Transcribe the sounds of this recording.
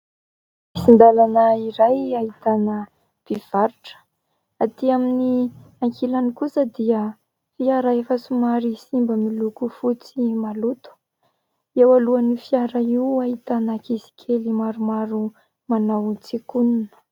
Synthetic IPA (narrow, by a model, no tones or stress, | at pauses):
misind̪alanəiɾajaɦit̪anə | b̥iv̥aɾuʈ͡ʂə̥ | at̪iamini | aŋkʰilanikusəd̪iə | fiaɾaefəsumaɾisimbəmilukufut͡simalut̪u̥ | ewaluanifiaɾaiuaɦit̪anəkisi̥kʲʰelimaɾumaɾu | manawt͡sikununə̥